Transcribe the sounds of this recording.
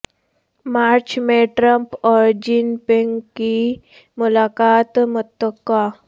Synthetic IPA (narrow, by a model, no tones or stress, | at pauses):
maɾt͡ɕmeʈɾəmpɔɾd͡ʑinpeŋki | mulakat̪mut̪əkːa